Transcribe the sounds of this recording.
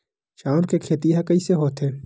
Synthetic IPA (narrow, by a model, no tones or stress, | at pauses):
ʃaːɾkekʰeːt̪iɦakɐiseɦoːt̪ɦeː